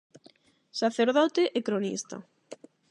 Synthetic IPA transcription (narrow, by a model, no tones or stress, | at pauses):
saθeɾðɔt̪eʔekɾonḭst̪a̰